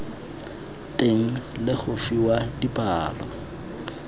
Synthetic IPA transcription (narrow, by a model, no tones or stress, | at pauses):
tʼeŋ̩lɪχʊfiwadipʼaːlɔ̰